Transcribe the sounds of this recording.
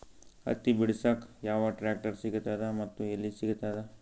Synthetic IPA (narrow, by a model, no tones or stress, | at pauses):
ɐ̰t̪ːibiɽisɐkjaːʋɐʈɾaːk̚ʈɐɾsiɡt̪aːd̪emɐt̪ːuelːisiɡt̪aːd̪e